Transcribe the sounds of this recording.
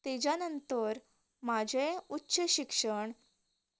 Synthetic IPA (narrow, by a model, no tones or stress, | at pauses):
t̪ed͡ʑjanənt̪əɾ | mad͡ʑʱẽutːɕəɕikʂəɳ